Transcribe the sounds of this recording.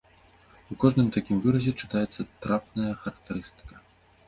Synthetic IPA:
ukɔʐnɨmt̪akʲimvɨɾɐzʲɛt͡ʂɨ̥t̪ajɛt̪sːɐt̪ɾapnɐjɐxɐɾɐk̚t̪ɛɾɨst̪ɨ̥kɐ̥

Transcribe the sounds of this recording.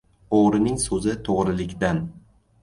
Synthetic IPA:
oʁɾɪnɪŋsɵzɪt̪ʰoʁɾɪlɪkʲd̪an

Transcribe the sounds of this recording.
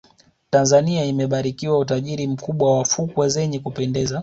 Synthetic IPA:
tanzaniaimɛɓaɾikiwaut̬aʄiɾim̩kuɓwawafukwazɛɲɛkupɛndɛza

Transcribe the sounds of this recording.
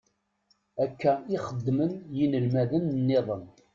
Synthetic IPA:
ækːæiχəd̪ːmənjinəlmæðənnːeðˤən

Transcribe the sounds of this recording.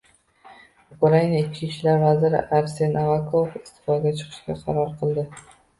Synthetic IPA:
ʊkʊɾainaɪt͡ʃkʲiʃlaɾvazɪɾɪ̰ʔaɾse̞navakʰofɪst̪ʰɪ̥fɒd̪ɡ̪ʲat͡ʃʰɨ̥qʰɨ̥ʃɡʲaqʰɑ̰ɾɒɾqʰɨlˠd̪ɪ

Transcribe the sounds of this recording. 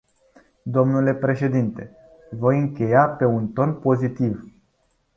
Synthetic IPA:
d̪o̞mnule̞pɾe̞ʃe̞d̪int̪e̞ | vo̞jɨŋkʲe̞jape̞unt̪o̞npo̞zit̪iv

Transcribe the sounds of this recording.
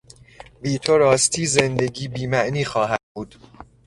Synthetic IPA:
viːt̪ʰoɾɒːst̪ʰiːze̞nd̪e̞ɟiːbiːmæʔniːxɒːɦæd̪̚buːd̪̥

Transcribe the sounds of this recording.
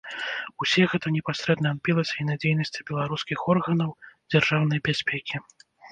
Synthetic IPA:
usʲɛɣɛt̪ɐnʲɛpasʲɾɛd̪nɐːmpʲilˠɐsʲɐinad͡zʲejnɐsʲt͡sʲɐ̥bʲɛlˠaɾuskʲixɔrɣɐnɐwd͡zʲarʐawn̪ɐjbʲasʲpʲɛkʲi

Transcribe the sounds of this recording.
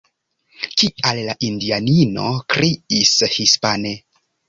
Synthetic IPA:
kiallaʔindianino̞̰kɾiishispane

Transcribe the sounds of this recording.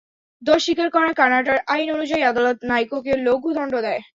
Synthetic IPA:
d̪oɾʃikaɾkɔɾakanaʈaɾʔajnonud͡ʑaiad̪alot̪najkokeloɡud̪ʱɔɳɖod̪ɛe

